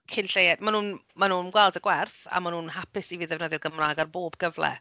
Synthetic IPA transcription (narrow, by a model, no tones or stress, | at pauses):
kʰɪnɬejɛdmanuːn | manuːnɡwɛlˠdəɡwɛrθa̰manuːnɦapɪsiviːðɛvnəðɪrɡəmraːɡarboːbɡ̥əvlˠɛ̰